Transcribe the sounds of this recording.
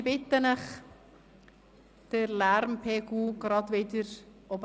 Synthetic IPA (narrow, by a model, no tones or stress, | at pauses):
bɪt̪ːənɛχ | d̥əɾlæɾmpʰeːɡuːɡ̥ɾɑdʋɪdəɾ | ɔb